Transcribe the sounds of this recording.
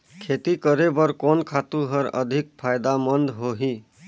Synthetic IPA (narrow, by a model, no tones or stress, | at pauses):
kʰet̪ikəɾebəɾkɔnkʰat̪ũɦəɾə̰d̪ʱik̚pʰajd̪amənd̪ɦoɦi